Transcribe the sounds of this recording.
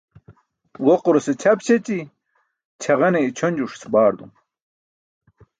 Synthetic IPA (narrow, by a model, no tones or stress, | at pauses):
woquɾoset͡ɕʰɐpɕet͡ɕi | t͡ɕʰɐʁɐneit͡ɕʰonʲd͡ʑuʂsbaːɾd̪ṵm